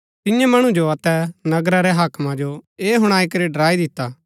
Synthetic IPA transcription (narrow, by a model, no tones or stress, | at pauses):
t̪ɪjãmɐɽ̃ũd͡ʒoɐt̪ɛnɐɡɾaɾɛɦaːkmãd͡ʒoeːɦʊɽ̃aːikɐɾiɖɐɾaːid̪ɪt̪ːaː